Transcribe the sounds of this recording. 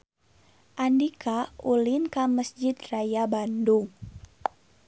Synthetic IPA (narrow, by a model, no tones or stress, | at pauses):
ʔandikʰaulinkaməsd͡ʒɪt̪rajabanduŋ